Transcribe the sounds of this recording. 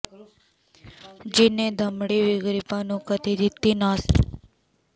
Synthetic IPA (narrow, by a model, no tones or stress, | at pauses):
d͡ʒined̪ʱəmɽiʋiɡɾipanũkət̪id̪it̪ːinas